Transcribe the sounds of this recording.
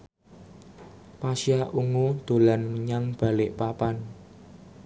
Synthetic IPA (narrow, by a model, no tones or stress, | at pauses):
pasiaʔuŋud̪̥o̤lanməɲaŋb̥a̤lɪʔpapan